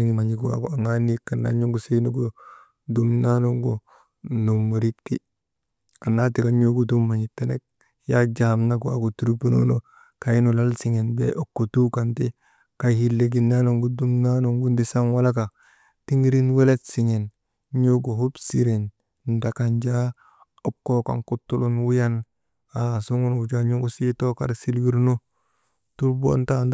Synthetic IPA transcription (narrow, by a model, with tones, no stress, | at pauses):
i˦ŋma˨ɲi˨ɡua̰˨ka˨ŋa˦ni˦kːa˨nːa̰˨ɲo˦ŋɡu˨se˦no˦ɡo˦ | du˦mna˦no˦ŋɡo˨ | no˨mu˨ɾi˦kti˦ | a˨na˦ti˨ka˦ɲo˦ɡu˨du˦mːa˨ɲi˨tːe˦ne˦k̚ | ja˦d͡ʒa˨ha˨mna˦ɡu˨a̰˨ko˨tu˨ɾu˦pu˦no̰˦no˦ | ka˨i˦no˨la˦lsi˨ŋe˨nbḛ˦ʔo˦kːo˨tu˦ka˨nte˦ | ka˦˨hi˦lːe˨ɡi˨nːa˦no˨ŋɡu˦du˦mna˦no˨ŋɡu˦ndi˦sa˦ŋwa˦la˦ka˨ | ti˦ŋi˦ɾi˦nwe˦le˦tsi˨ŋe˨n | ɲo˦ɡo˨hu˦bsi˨ɾe˨n | nda˨ka˨nd͡ʒa˦ | o˦kːo˦ka̰˨ŋku˦tːu˦lu˦nwu˦ja˦n | a˨su˦ŋu˦nɡu˨d͡ʒa˦ɲu˦ɡu˦si˦to˦ka̰˨ɾsi˦lwi˦ɾno˦ | tu˦ɾbo̰˦ntand